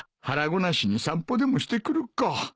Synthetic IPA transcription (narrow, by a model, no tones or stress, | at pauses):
haɾaɡo̞naɕiɲ̟isãmpo̞d̪e̞mo̞ɕi̥t̪e̞kɯ̟ɾɯ̟kkːa